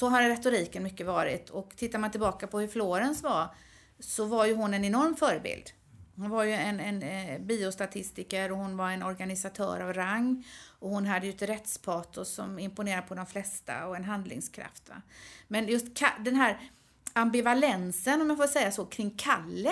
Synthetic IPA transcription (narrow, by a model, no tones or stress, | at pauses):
sɔɦaɾɾɛt̪ʊɾiːkənmʏkːəvɑːɾɪ̰t̪ʰɔkt̪ʰɪt̪ːaɾmant̪ʰɪlbɑːkapʰɔhɵɾfloːɾənsva | sɔvaɾjɵɦʊnɛnɛnɔɾmfœːɾəbɪ̰ld̪̥ | hʊnvaɾjɵɛnɛnbiːʊst̪at̪ʰɪst̪ɪkəɾɔhʊnvaɾɛnɔɾɡanɪsat̪ʰœ̰ːɾavɾaŋːɔhʊnɦad̪ːəjɵɛt̪ɾɛt̪spʰɑːt̪ʊsɔ̰mɪmpʊneːɾad̪əpʰɔd̪ɔmflɛst̪a̰ɔɛnɦand̪lɪ̰ŋskʰɾa̰ft̪va̰mɛnjɵst̪kʰad̪ɛnɦæːɾ | ambɪvalɛnsənɔmjafoːʂɛjːasoːkʰɾɪŋːkʰalːə